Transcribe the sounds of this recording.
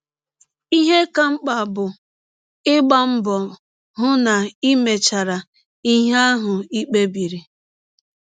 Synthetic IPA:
i˦ɦe˦ka˦ŋ͡m̩˦k͡pa˨bʊ˨ | ɪ˦ɡ͡ba˦m̩˦bɔ˨ | ɦʊ˦na˨i˦me˨t͡ʃa˨ɾa˨ | i˦ɦa˦ɦʊ˨i˦k͡pe˦bi˨ɾi˨

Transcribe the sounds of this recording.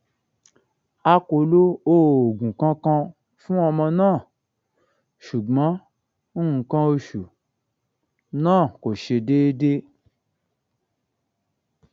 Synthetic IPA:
a˧kʷo˧lo˦o˦˨ɡũ˨kã˧kã˧ | fũ˦a˧mã˧nãː˦˨ | ʃu˨ɡ͡bã˦ | n̩˦ŋ̩˨kã˧o˧ʃu˨ | nã˦˨ko˨ʃe˧de˦de˦

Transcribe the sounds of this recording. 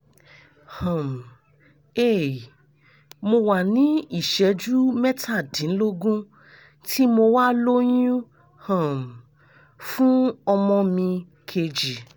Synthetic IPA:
hã˨m˨ | e˦˨ | mo˧wa˨nĩ˨˦i˦˨ʃɛ˨˦d͡ʒu˦mɛ˦tʰa˦˨dĩ˨˦n̩˦lo˦ɡũ˦ | tʰi˦mo˧wa˦lo˦jũ˦ | hã˨m˨ | fũ˦ɔ˧mɔ̃˧mĩ˧ | kʰe˧d͡ʒi˨

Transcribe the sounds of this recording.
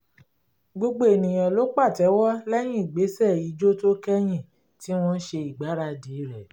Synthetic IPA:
ɡ͡bo˧ɡ͡bo˨e˨nĩ˨j̃ɔ̃˨lo˨˦k͡pa˦˨tɛ˨˦wɔ˦lɛ˦j̃ĩ˦i˨ɡ͡be˨˦sɛ˦˨ji˨˦d͡ʒo˦to˦kɛ˦j̃ĩ˦˨ | ti˦w̃ɔ̃˦n̩˦ʃe˧i˨ɡ͡ba˨˦ɾa˧di˨˦ɾɛ˨

